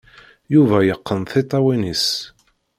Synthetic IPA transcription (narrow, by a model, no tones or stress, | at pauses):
juvæjəqːənθit̪ˤːɑwinis